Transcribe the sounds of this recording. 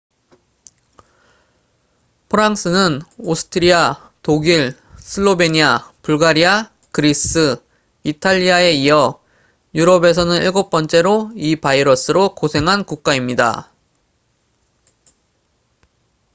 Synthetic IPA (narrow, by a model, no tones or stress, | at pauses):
pʰɯɾaŋs͈ɯnɯnosʰɯ̥tʰɯɾia | toɡiɭ | sʰɯɭːobe̞ɲiapuɭɡaɾia | kɯɾis͈ɯ | itʰaʎːiae̞iʌ | juɾʌbe̞sʰʌnɯniɭɡop̚p͈ʌnt͡ɕ͈e̞ɾoipaiɾʌs͈ɯɾokosʰe̞ŋɦankuk̚k͈aimɲida̰